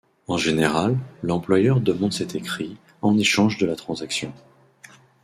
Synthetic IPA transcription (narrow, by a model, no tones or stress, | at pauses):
ɑ̃ʒeneʁalːɑ̃plwajœʁd̪əmɑ̃d̪sɛt̪ekχi | ɑ̃neʃɑ̃ʒd̪əlat̪χɑ̃zaksjɔ̃